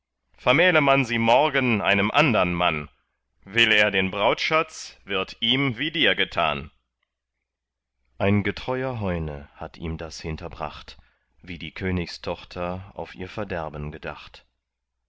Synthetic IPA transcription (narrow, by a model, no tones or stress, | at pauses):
fɛɐmɛːləmanziːmɔɐɡənʔa̰ɪnəmʔandɐnman | vɪleːɐdeːnbʁaʊtʃat͡sv̥ɪɐtʔiːmviːdiːɐɡətʰa̰ːn | ʔaɪnɡətʁ̥ɔʏɐɦɔʏnəhatʰḭːmdashɪntʰɐbʁa̰χt | viːdiːkʰøːnɪçstʰɔχtʰɐa̰ʊfʔiːɐfɛɐdɛɐbənɡəda̰χt